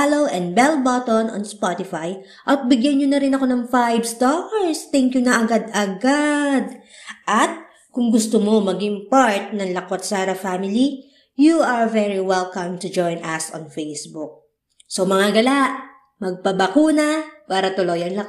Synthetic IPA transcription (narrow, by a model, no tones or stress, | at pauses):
alowʔɛnd̪̚bɛlbot̪onɐ̰nspot̪ɪfaj | ʔɐt̪̚bɪɡjɐnɲonɐɾɪnɐko̞nɐŋfajbst̪oɹst̪ɛŋkjʊnɐʔɐɡad̪ɐɡad̪̚ʔɐt̪̚ | kʊŋɡʊst̪omo̞mɐɡɪŋpaɹt̪̚nɐŋlɐkot̪̚saɾɐfamɪli | juɐɹvɛɹiwɛlkɐmt̪ʊd͡ʒojnʔasɔ̰nfejsbuk̚ | somɐŋaɡɐlaʔ | mɐɡ̚pɐbɐkuːnɐpaːɾɐt̪ʊlojɐnlɐ